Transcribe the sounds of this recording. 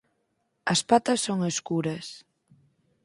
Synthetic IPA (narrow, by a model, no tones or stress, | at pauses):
ɐspat̪ɐsːoŋeskuɾɐs